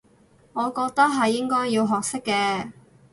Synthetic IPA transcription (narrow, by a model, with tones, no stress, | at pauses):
ŋɔː˨˧kɔː˧k̚t̪ɐ˥k̚ɦɐ˨jːɪ˥ŋkɔː˥jːiː˧wɦɔː˨k̚sɪ˥kːɛː˧